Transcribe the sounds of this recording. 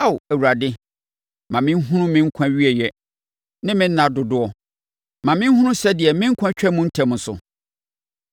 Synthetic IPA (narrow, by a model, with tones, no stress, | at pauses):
a˦˨wæ˨wu˨ɾa˨dɪ˦ | mã˨mɪ̃˦n˦ɦʊ̃˦nʊ̃˦mɪ̃˦ŋ̩˦kʷʰã˦ɥi˦ɛ˨jɛ˦ | nɪ̃˦mɪ̃˦n̩ː˦ã˨dʊ˨dʊ˦ɔ˨ | mã˨mɪ̃˦n˦ɦũ˦nʊ̃˦sɛ˦dɪ˨ɛ˨mɪ̃˦ŋ̩˦kʷʰã˦t͡ɕᶣɛ˦mʊ̃˦n̩˦tʰɛ̃˨mʊ̃˨˦sʊ̰˨